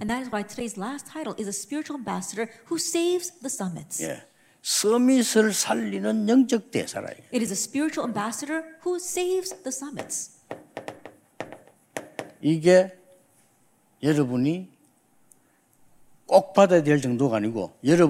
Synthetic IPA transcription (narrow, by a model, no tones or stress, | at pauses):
ɨ̃nðæɾɨzwaɪtʰɨdeɪzlæstʰːaɪɾl̩ˠʔɪzəspɪɹɨt͡ʃul̩ˠæ̃mbæsəɾə˞huseɪvzðəsʌmɨ̰tsjḛ | sʌmisɯɭsʰaʎːinɯnjʌŋt͡ɕʌk̚t̪ḛsʰa̰ɾa̰ḭɨɾɨzɨspɪɹɨt͡ʃul̩ˠæ̃mbæsɨɾə˞huseɪvzðəsʌmɨ̰ts | iɡe | jʌɾʌbuni | kok̚pʰadad̬eɭt͡ɕʌŋdoɡaniɡo̰jʌɾʌ